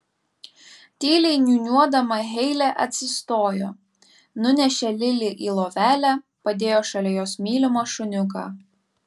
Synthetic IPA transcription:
t̪ʲiːlʲɛɪnʲunʲuɔd̪ɐmɐɦʲɛɪlʲɛʔɐt̪ʲsʲɪst̪oːjo̰ː | nʊnʲɛʃʲɛlʲɪlʲɪʔiːlˠoːʋʲæːlʲæ | pɐd̪ʲeːjoːʃɐlʲɛjoːsmʲiːlʲɪmoʃʊnʲʊk̬ɑ̰ː

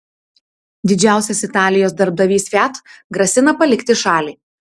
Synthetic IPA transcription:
d̪ʲɪd͡ʒʲæˑʊsʲɛsɪt̪ɑːlʲɪjoːsd̪ɐɾb̚d̪ɐʋʲiːsʋʲæt̪ɡɾɐsʲɪnɐpɐlʲɪkʲt̪ʲɪʃɑːlʲiː

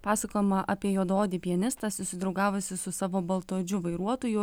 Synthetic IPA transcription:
pɑːsɐkoːjɛmɐʔɐpʲiɛjoːd̪oːd̪ʲiːpʲiɛnʲɪst̪ɑsʊsʲɪd̪ɾɐʊɡɑːʋosʲɪsʊsɑːʋoːbɐlˠt̪oːd͡ʒʲʊʋɐɪɾuɔt̪oːjʊ

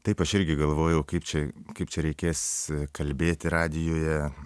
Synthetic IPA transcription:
t̪ɐɪpɐʃɪɾʲɡʲɪɡɐlˠʋoːjɛʊkɐɪpt͡ʃʲɛkɐɪpt͡ʃʲɛɾʲɛɪkʲeːskʰɐlʲbʲeːt̪ʲɪɾɑːd̪ʲɪjoːjɛ

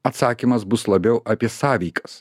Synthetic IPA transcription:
ɐt̪sɑːkʲimɐs̬bʊslˠɐbʲɛʊʔɐpʲiɛsɑːʋʲiɪkɐs

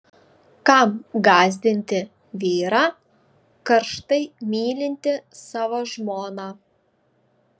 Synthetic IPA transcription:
kɑmɡɑːzʲd̪ʲɪnʲt̪ʲɪ | ʋʲiːɾɑː | kɐɾʃt̪ɐɪmʲiːlʲɪnʲt̪ʲɪsɑːʋoːʒmoːnɑ

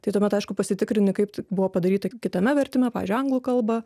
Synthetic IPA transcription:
t̪ɐɪt̪oːmʲɛt̪ɐɪʃkʊpɐsʲɪt̪ʲɪkɾʲɪnʲɪkɐɪptbʊʋoːpɐd̪ɐɾʲiːt̪ɐkʲɪt̪ɐmʲɛʋʲɛɾʲt̪ʲɪmʲɛpɑːʋ̰ʲzʲd͡ʒʲyɪɐŋɡlˠuːkɐlˠbɐ

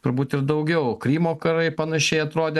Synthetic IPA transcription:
t̪ʊɾbuːt̪ɪɾd̪ɐʊɡʲɛʊkɾʲiːmoːkɐɾɐɪpɐnɐʃʲɛɪɐt̪ɾoːd̪ʲeː

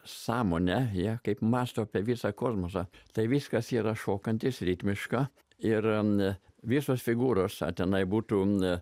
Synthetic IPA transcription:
sɑːmoːnʲɛjiɛkɐɪpmɑːst̪oːpʲɛʋʲiːsɑkoːsmoːsɑt̪ɐɪʋʲiskɐsiːɾɐʃoːkɐnʲt̪ʲɪsɾʲiːt̪ʲmʲɪʃkɑː | ɪr | ʋʲiːsoːsfʲɪɡuːɾoːsɐ̰t̪ʲɛnɐɪbuːt̪uː

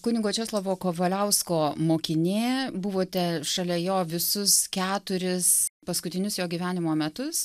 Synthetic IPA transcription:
kʊnʲɪɡoːt͡ʃʲoːslˠɐʋoːkoːʋɐlʲɛʊskoːmoːkʲɪnʲeːbʊʋoːt̪ʲɛʃɐlʲɛjoːʋʲɪsʊskʲæːt̪ʊɾʲɪspɐskʊt̪ʲɪnʲʊsjoːɡʲiʋʲæːnʲɪmoːmʲɛt̪ʊs

